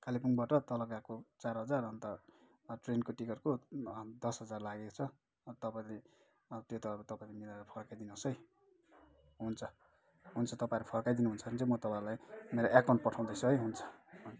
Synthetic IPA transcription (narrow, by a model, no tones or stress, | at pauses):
kalipunbaʈʌt̪ʌlʌkakot͡sarɦʌd͡zarʌnt̪ʌ | ʈrenkoʈikʌrkod̪ʌsɦʌd͡zarlaɡekot͡sʰʌ | t̪ʌpaĩle | t̪jot̪ʌat̪ʌpaĩlemilaɾʌpʰʌrkajd̪inʌsʌj | ɦunt͡sʰʌ | ɦunt͡sʰʌt̪ʌpãiɾepʰʌɾkajd̪inuɦunt͡sʰʌnt͡sʌmʌt̪ʌpãɾulajmeɾoʔekaw̃ɳʈ̚pʌʈʰaw̃d̪ʌjsʌɦʌjɦunt͡sʰʌ̥